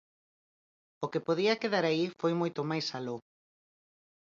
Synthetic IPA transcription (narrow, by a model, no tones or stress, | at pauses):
okepoðiɐkeðaɾaifojmojt̪omajsalo